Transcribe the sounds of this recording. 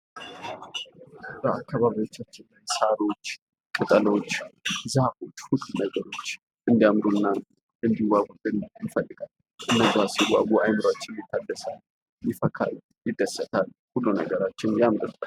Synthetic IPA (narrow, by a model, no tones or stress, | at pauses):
b̥əakʰːaβaβiwo̞t͡ʃːat͡ʃːɪnajsaɾo̞t͡ʃː | kʼɨt̪ʼəlo̞t͡ʃːzahut̪hʊkʼnəɡəɾo̞t͡ʃː | ʔɨnd̪ijamɾunːa | ʔɨnd̪iwaɡud̪ɨnjɪfəlːɨɡalː | ɨnːəzasiwaɡuajmɨɾat͡ʃːɪnjɛt̪ʰːad̪ːəsal | jɪfəkʰa̰l | jɪd̪ːəsət̪ʰal | hulːunə̰ɡəɾat͡ʃːɪnjamɾɨ